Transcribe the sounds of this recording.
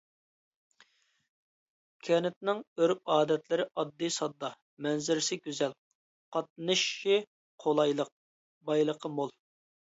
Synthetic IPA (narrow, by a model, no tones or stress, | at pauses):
kʲʰɛnɪt̪̚nɪŋøɾp̚ɑːd̪ɛt̪lɪɾɪʔɑd̪ːɨsɑd̪ːɑ | mɛnzɪɾɪsɪɡʲyzɛl | qʰɑt̪̚nɨʃːi | qʰolˠɑjlˠəq̚ | bɑjlˠəqʰəmolˠ